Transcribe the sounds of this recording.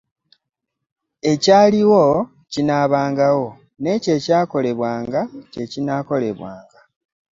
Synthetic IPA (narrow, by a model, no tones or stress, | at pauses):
e̞caːliwo̞ | cinaːβaːŋɡawo̞ | ne̞ːce̞ːcaːko̞le̞βwaːŋɡace̞cinaːko̞le̞̰βwa̰ːŋɡa